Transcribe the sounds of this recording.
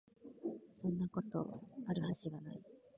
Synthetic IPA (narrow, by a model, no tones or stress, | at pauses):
sõ̞nːako̞t̪o̞̰aɾɯ̟haɕiɡana̰i